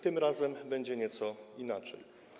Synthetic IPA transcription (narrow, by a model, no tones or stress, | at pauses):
t̪ɘmɾazɛmbɛɲd͡ʑɛɲɛt̪sɔinat͡ʂɛ̰j